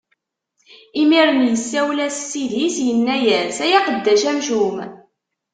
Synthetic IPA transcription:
imiɾˤənjəsːæwlæsːiðisjənːæjæsæjæqəd̪ːæʃæmʒum

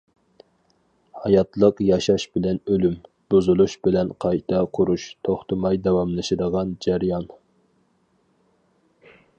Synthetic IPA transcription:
hɑjɑt̪lˠəqjɑʃɑʃbɪlɛnølym | b̥uzulˠuʃbɪlɛnqʰɑjt̪ʰɑqʰʊɾuʃt̪ʰoχt̪ʰɨmɑjd̪ɛwɑmlˠɨʃɪd̪əʁɑnd͡ʒæɾjɑn

